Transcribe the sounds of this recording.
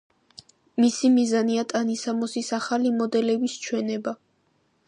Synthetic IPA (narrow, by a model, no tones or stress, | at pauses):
misimizaniat̪ʼanisamɔsisaχalimɔd̪ɛlɛbist͡ʃʰwɛnɛba